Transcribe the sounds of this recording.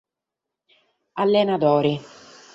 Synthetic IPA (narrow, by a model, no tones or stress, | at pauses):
alːɛnat̪ɔːɾi